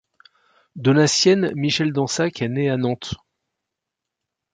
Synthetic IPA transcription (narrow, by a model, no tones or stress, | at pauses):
d̪ɔlasjɛnmiʃɛld̪ɑ̃sakʰɛneanɑ̃t̪